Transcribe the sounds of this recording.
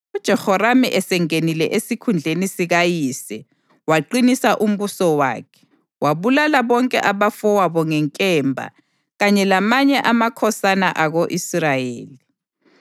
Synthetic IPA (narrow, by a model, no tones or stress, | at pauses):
ud̥ʒ̥ʱɛhɔɾamiʔɛsɛŋenilɛʔesikʰund͡ɮʱenisiɣajisɛ | waǃinisaʔum̩βusɔwa̰ːkʰɛ̥ | waβulalaβɔŋkʼɛ̰ʔaβafɔwaβɔŋɛŋkʼɛːmbʱa̰ | ɣaɲɛlamaɲɛʔamakʰɔsanaʔaɣoʔisrajḛːli